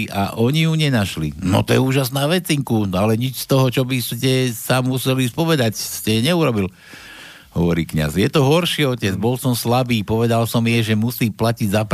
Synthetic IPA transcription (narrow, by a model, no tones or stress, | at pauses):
ʔa̰ʔɔɲijuɲɛnaʃlḭnɔ̰t̪ɔjɛuːʒasnaːʋɛt͡siŋkunalɛɲit͡ʃst̪ɔɦɔt͡ʃɔbiscɛsamusɛlispɔʋɛd̪acscɛɲɛuɾɔbil | ɦɔ̰ʋɔɾḭːkɲa̰zjɛt̪ɔɦɔɾʃiɔcɛd͡zbɔlsɔmslabiːpɔʋɛd̪alsɔmjɛʒɛmusiːplaciɟzap